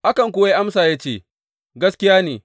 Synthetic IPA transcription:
ʔa˦kɐ˨ŋkʷʊ˨˦a˦ʔa˦msaː˨jaː˦t͡ʃeː˦˨ | ɡɐ˦skʲɪ˦jaː˦neː˨

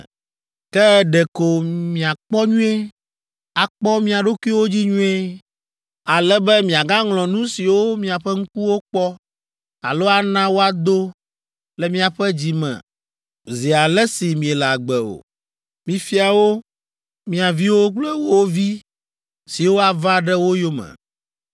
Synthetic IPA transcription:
kɛ˦ɖɛ˨ko˨mĩ˨a˨k͡pɔ˦ɲũ˦e˦ | a˨k͡pɔ˦mĩ˦a˨ɖo˦ku˦i˦wo˦d͡ʑi˦ɲũ˦e˦ | a˨lɛ˦bɛ˦mĩ˨a˨ɡã˦ŋlɔ̃˨nũ˦si˨wo˦mĩ˦a˨ɸɛ˦ŋ̩˦ku˦wo˦k͡pɔ˦ | a̰˨lo˦a˦nã˦wo˦a˨d̪o˦ | lɛ˨mĩ˦a˨ɸɛ˦d͡ʑi˨mɛ̰̃˨ | zi˨a˨lɛ˦si˨mĩ˨ɛ˨lɛ˨a˨ɡ͡bɛ˨o̰˨ | mĩ˨fi˦a˨wo˦ | mĩ˨a˨vi˦wo˦k͡plɛ˦wo˦wo˦vi˦ | si˨wo˦a˨va˦ɖɛ˦wo˦jo˦mɛ̰˨

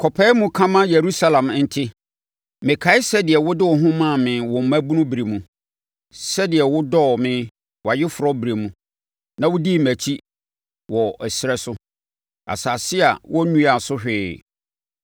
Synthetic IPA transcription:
kʰɔ˨pʰɛ˦mũ˦kʰã˦mã˦je˨ɾu˦sa˦lã˨m˦n̩˦tʰɪ˦ | mɪ̃˨kʰa˨˦ɪ˦sɛ˦dɪ˨ɛ˨wʊ˦dɪ˦wɔ˨ɦʊ̃˦mã˦˨mɪ̃˨wɔ̃˨m̩˨˦mæ̃˦bu˦nũ˦bɾe˨mũ˨ | sɛ˦dɪ˨ɛ˨wʊ˦dɔ˦˨mɪ̃˨˦ | wa˨jɪ˦fʊ˨ɾɔ˦bɾe˨mũ˦ | nã˨wʊ˦di˦mæ˨t͡ɕʰi˦ | wɔ˨ɛ˨sɪ˨ɾɛ˦sʊ˦ | a̰˨sa˨sɪ˦a˨wʔɔ˦nũ˦a˨sʊ˦hᶣɪː˨

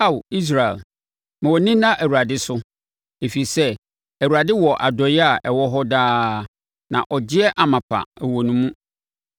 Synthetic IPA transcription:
a˦˨wi˦s̬ɾa˨ɛ̰˨l | mã˨wɔ˨nĩ˦nã˦ʔæ˨wu˨ɾa˨dɪ˦sʊ˦ | e˨fi˨sɛ˦ | æ˨wu˨ɾa˨dɪ˦wɔ˨ʔa˨dɔ˨jɪ˦a˨ʔɛ˨wɔ˦ɦɔ˦daː˦˨ | nã̰˨ʔɔ˨d͡ʑɪ˦ɛ˦ʔa˨mã˨pʰa̰˨ɛ˨wɔ˨nũ˦mũ˦

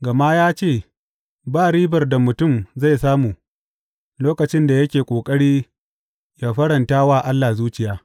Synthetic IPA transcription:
ɡɐ˨ma˦jaː˦t͡ʃeː˦˨ | baː˦˨ɽiː˦bɐ˨rda˨mʊ˨tʊ˦˨mza˦˨jsaː˦muː˨ | loː˦kɐ˨t͡ʃɪ˦nda˨jɐ˦kʲeː˨kʷʼoː˨kʼɐ˦ɽiː˦ | jaː˦ɸɐ˦ɽɐ˨ntaː˦waː˦˨ʔa˦lːaː˨zuː˦t͡ʃɪ˨jaː˦

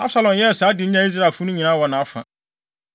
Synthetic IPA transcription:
a˦bsa˨lɔ̃˨mjɛ˦˨sa˨˦dɪ˨˦ɲã˦i˦s̬ɾa˦˨fʊ˦nʊ̃˦ɲĩ˨nãː˦wɔ˨nã˨a˦fã̰˨

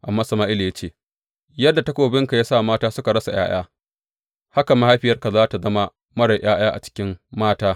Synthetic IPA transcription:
ʔa˨mːaː˦sɐ˨maː˦ʔɪ˦li˨ja˦t͡ʃeː˦˨ | jɐ˦dːa˨ta˦kʷoː˨bɪ˦ŋka˨ja˦sa˦˨maː˦taː˦sʊ˦ka˨ɽɐ˦sa˨j̰a̰ː˦j̰a̰ː˦ | ha˦ka˨ma˦ha˦ɸɪ˨jɐ˦rka˨zaː˦ta˨zɐ˦ma˦ | mɐ˦ɽɐ˨j̰aː˦j̰aː˦ʔa̰˨t͡ʃɪ̥˦kʲɪ˦mːaː˦taː˦

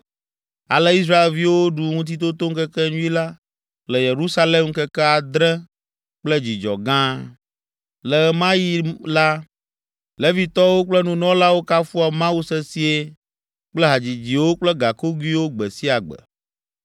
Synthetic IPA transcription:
a̰˨lɛ˦i˦s̬ɾa˦e˨lvi˦wo˦ɖu˨ŋũ˦t̪̬i˦t̪̬o˦t̪o˦ŋ̩˦kɛ˦kɛ˦ɲũ˦i˦la˦ | klɛ˨je˨ɾu˦sa˦le˦mkɛ˦kɛ˦a˨d̪ɾɛ̃˦ | k͡plɛ˦d͡ʑi˨d͡ʒɔ̰˨ɡã˦ | lɛ˨˦mã˦ji˦la˦ | le˦vi˨t̪ɔ˦wo˦k͡plɛ˦nũ˨nɔ̃˦la˦wo˦ka˦fu˦a˨mã˦wu˦sɛ˦si˦e˦ | k͡plɛ˦ɦa˨d͡ʑi˨d͡ʑi˨wo˦k͡plɛ˦ɡa˨ko˦ɡwi˦wo˦ɡ͡bɛ˨si˦a˨ɡ͡bɛ̰˨

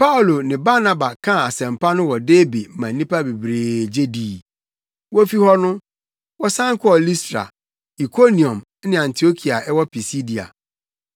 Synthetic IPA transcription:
pʰa˦u˨lo˨nɪ̃˨ba˦nã˨ba˨kʰã˦˨a˨sɛ̃˨mpʰa˦nʊ̃˦wɔ˨deː˦bi˨mã˨˦nĩ˦pʰa˦be˨bɾeː˨d͡ʑe˦di˨ | wɔ˦fi˦hɔ˦nʊ̃˦ | wɔ˦sã˦ŋ˦kʰʊ˦ɔ˨li˦stɾa̰˨ | i˨kʰo˦nĩ˨ɔ̃˨m˦nɪ̃˦ã˨ntʰi˨o˦kʰi˨a˨ʔɛ˦wɔ˦pʰi˨si˦di˨a̰˨

